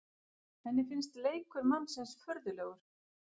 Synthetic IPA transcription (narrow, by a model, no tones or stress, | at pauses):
θɛnːɪfɪnst̪leːjkʏɾmamsɛnsfœɾðʏlɛːɣʏɾ̥